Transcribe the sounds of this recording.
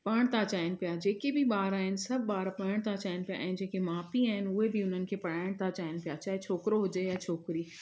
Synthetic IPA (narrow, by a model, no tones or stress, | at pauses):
pɐɽ̃t̪at͡ɕaːɦɪnɪ̆pijad͡ʑeːkebʱɪɓaːɾaːɦɪnɪsɐbʱɓaːɾpɐɽ̃t̪at͡ɕaːɪnɪ̆pija̰ːɦɪ̃n̆d͡ʑeːkemaːfiaːɦɪn̆ʊɦebiʊn̤ənɪ̆kʰeːpɐɽ̤aːɪɽ̃t̪at͡ɕaːɪnɪ̆pijat͡ɕaːɦet͡ʃʰoːkɾoɦʊd͡ʑejat͡ɕʰoːkɾiː